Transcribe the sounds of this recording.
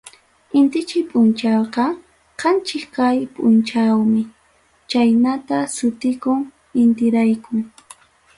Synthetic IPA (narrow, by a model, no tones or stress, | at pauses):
ɪnt̪ɪt͡ʃɪjpʼʊnt͡ʃɑwqɑ | qɑnt͡ʃɪkkajpʼʊnt͡ʃawmɪ | t͡ʃajnat̪asʊt̪ɪkʊŋ | ɪnt̪ɪɾajkʊŋ